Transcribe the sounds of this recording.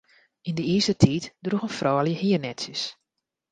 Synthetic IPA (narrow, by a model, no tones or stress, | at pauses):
indəiːsətʰiːtdruxənfrʔɔːljəhiərnɛtsjəs